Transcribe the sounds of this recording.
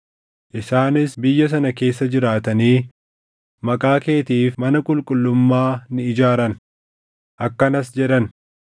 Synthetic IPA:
ʔɪsaːnɪsbɪjːɐs̬ɐnɐke̞ːsːɐd͡ʒɪɾaːt̪ɐniː | mɐkʼaːke̞ːt̪iːfmɐnɐkʼʊlkʼʊlːʊmːaːnɪɪd͡ʒaːɾɐn | ʔɐkːɐnɐsd͡ʒɛᶑɐn

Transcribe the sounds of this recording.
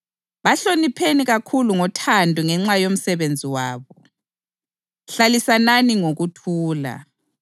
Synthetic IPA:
βaɬonipʰeniɣakʰuluŋɔtʰandʱuŋɛŋ͡ǁajom̩sɛβend͡zʱiwaːβɔ | ɬalisananiŋoɣutʰuːla̰

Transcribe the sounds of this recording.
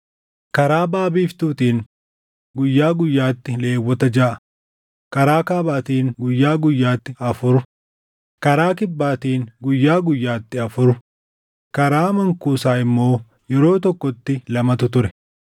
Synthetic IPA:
kɐɾaːbaːbiːft̪uːt̪iːŋ | ɡʊjːaːɡʊjːaːt̪ːɪle̞ːwːɔt̪ɐd͡ʒaːʔɐ | kɐɾaːkaːbaːt̪iːŋɡʊjːaːɡʊjːaːt̪ːɪɐfʊɾʊ | kɐɾaːkɪbːaːt̪iːŋɡʊjːaːɡʊjːaːt̪ːɪɐfʊɾʊ | kɐɾaːmɐŋkuːsaːɪmːo̞ː | jɛɾo̞ːt̪ɔkːɔt̪ːɪlɐmɐt̪ʊt̪ʊɾɛ

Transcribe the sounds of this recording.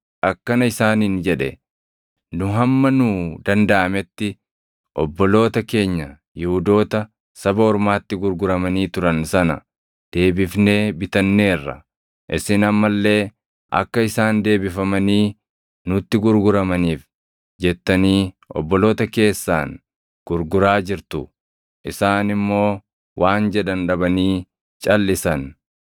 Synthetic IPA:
ʔɐkːɐnɐɪsaːniːnd͡ʒɛᶑɛ̰ | nʊɦɐmːɐnʊd̪ɐnd̪ɐʔɐmɛt̪ːɪ | ʔɔbːɔlo̞ːt̪ɐke̞ːɲːɐ | jɪhʊd̪o̞ːt̪ɐ | sɐbɐɔɾmaːt̪ːɪɡʊɾɡʊɾɐmɐniːt̪ʊɾɐnsɐnɐ̰ | d̪̥e̞ːbɪfne̞ːbɪt̪ɐnːe̞ːrːɐ̰ | ʔɪsɪnɐmːɐlːe̞ː | ʔɐ̰kːɐɪsaːnd̪e̞ːbɪfɐmɐniː | nʊt̪ːɪɡʊɾɡʊɾɐmɐniːf | d͡ʒɛt̪ːɐniː | ʔɔ̰bːɔlo̞ːt̪ɐke̞ːsːa̰ːn | ɡ̥ʊɾɡʊɾaːd͡ʒɪɾt̪ʊ | ʔɪsaːnɪmːo̞ː | wʔaːnd͡ʒɛᶑɐnᶑɐbɐniː | t͡ʃʼɐlːɪsɐn

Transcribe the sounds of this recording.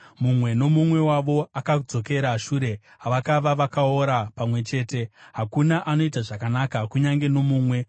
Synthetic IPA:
mumwe̞no̞mumwe̞waʋo̞akaud͡zo̞ke̞ɾaʃuːɾe̞ | aʋakaʋaʋakaoɾapamwe̞t͡ʃe̞ːte̞ɦakunaʔano̞itaʐakanakakuɲaŋɡe̞no̞muːmwe̞

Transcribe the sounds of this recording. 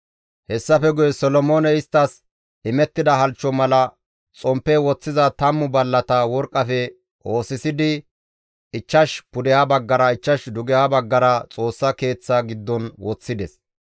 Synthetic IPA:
hɛsːɐfɛɡʊjɛsɔlɔmoːnɛɪst̪ːɐs | ɪmɛt̪ːɪd̪ɐɦɐlt͡ʃːɔmɐlɐ | t͡sʼɔmpːɛwɔt͡sːɪzɐt̪ɐmːʊbɐlːɐt̪ɐwɔɾkʼːɐfɛ | ʔo̞ːsɪsɪd̪ɪ | ɪt͡ʃːɐʃpʊd̪ɛhɐbɐɡːɐɾɐɪt͡ʃːɐʃd̪ʊɡɛhɐbɐɡːɐɾɐt͡sʼo̞ːsːɐke̞ːt͡sːɐɡɪd̪ːɔnwɔt͡sːɪd̪ɛs

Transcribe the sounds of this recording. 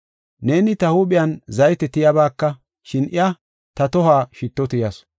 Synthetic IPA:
ne̞ːnɪt̪ɐhuːɓɪjɐnzɐjt̪ɛt̪ɪjabaːkːɐ | ʃɪnʔɪjɐ | t̪ɐt̪ɔhaːʃɪt̪ːɔt̪ɪjɐs

